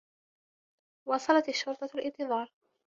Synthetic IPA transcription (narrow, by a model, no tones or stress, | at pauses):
wɑsˤɑlɑt̪aʃːʊɾt̪ˤɑlʔɪnt̪ɨðˤɑːɾˤ